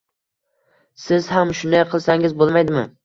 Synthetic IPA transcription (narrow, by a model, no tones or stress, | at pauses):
sɪzhamʃʊnajqʰɨlˠsaŋɪzbolˠmajd̪ɪmɪ̰